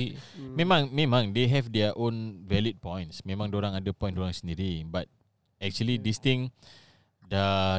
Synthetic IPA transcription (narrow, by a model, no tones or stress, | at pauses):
mẽmãŋmẽmãŋdeɦɛvdɛəʔõnvɛlit̚pɔ̃jnsmẽmãŋdoɾãŋadəpɔ̃j̃ndoɾãŋsəndiɾibat̚ | ɛk̚t͡ʃuəlidist̪ĩŋ | də